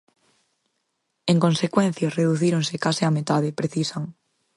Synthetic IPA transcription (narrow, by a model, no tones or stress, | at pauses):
eŋkõnsekwen̟θjareðuθiɾoŋsɪkasɪamet̪aðɪpɾeθisaŋ